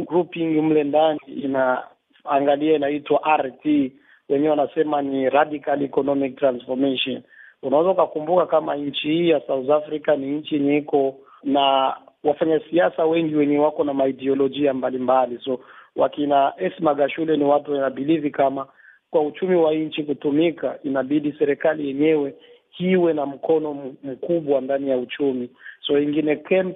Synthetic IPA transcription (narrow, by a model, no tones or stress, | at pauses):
ɡɾupiŋɡm̩lɛndaniːnaː | ŋɡaliainaitwaʔaɾti | wɛɲɛɛwanasɛmaniɾadikalikɔnɔmik̚tɾansfɔmɛʃɔnunawɛzaukakumbukakama̰ɲ̩t͡ʃihiːjasautafɾikaniɲt͡ʃiɛɲɛikɔ | nawafaɲasiasawɛŋɡiwɛɲɛwakɔnamaidiɔlɔd͡ʒiambalimbalisɔwʔa̰kinaʔɛsmaɡaʃulɛniwatuwainaɓilivikama | kwaut͡ʃumiwaɲt͡ʃikutumika̰ʔinaɓiɗisɛɾɛkalijɛɲɛwɛ | hiwɛnam̩kɔnɔm̩kuɓwandanijaut͡ʃumisɔiŋɡinɛkɛm